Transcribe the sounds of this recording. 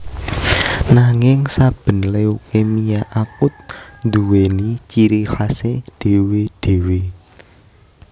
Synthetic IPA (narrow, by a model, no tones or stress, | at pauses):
naŋɪŋsab̥ə̤nleukemijaʔakʊt̪̚nd̪uwenit͡ʃiɾihased̪̥e̤wed̪̥e̤we